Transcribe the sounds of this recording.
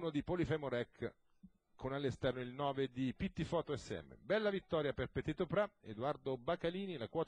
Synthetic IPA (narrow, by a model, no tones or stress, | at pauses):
nod̪ipolifɛmoɾɛkː | kʰonalːest̪ɛrnoilnɔːved̪ipit̪ːifɔːt̪oɛsːeɛ̰mːḛbɛlːavit̪ːɔːɾjaperpet̪et̪opɾaed̪ward̪obakaliːnilakwɔːt̪